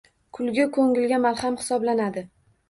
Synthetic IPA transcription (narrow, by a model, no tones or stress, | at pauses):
kʰʊlˠɡʲɪkʰoŋɪlɡʲamalˠhamhɪ̥sɒblanad̪ɪ